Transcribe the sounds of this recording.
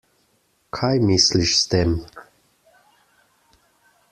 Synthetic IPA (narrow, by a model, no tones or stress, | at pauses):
kʰajmisliʃst̪eːm